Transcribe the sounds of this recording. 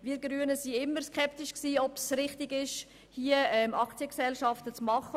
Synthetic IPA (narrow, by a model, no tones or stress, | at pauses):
viəɡɾyənəsiɪmːəɾskʰɛptɪʃksiːɔpsɾɪχtɪɡɪʃ | hiəɛmʔɑkt͡siəksɛlʃɑftət͡smɑχə